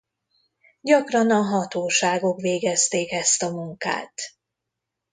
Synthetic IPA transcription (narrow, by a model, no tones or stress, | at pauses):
ɟɒkrɒnɒɦɒt̪oːʃaːɡo̞kʋeːɡɛst̪eːkɛst̪ɒmuŋka̰ːt̪